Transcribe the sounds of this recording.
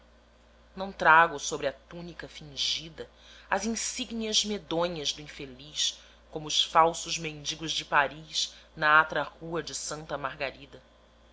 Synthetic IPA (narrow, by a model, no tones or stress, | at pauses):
nɐ̃w̃t̪ɾaɡʊsobɾɪɐt̪unikɐfĩŋʒid̪ɐ | ɐzĩsiɡniɐzmed̪õɲɐzd̪ʊĩfeliʃ | kõmʊːʃfawsʊzmẽnd͡ʒiɡʊzd͡ʒɪpaɾiʃnɐat̪ɾɐhuɐd͡ʒɪsɐ̃nt̪ɐmahɡaɾid̪ɐ